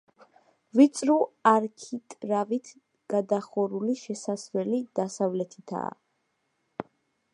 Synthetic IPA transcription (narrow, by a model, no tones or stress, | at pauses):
vit̪sʼɾuaɾkʰit̪ʼɾavit̪ʰ | ɡ̥ad̪aχɔɾuliʃɛsasvɛlid̪̥asavlɛt̪ʰit̪ʰa̰ː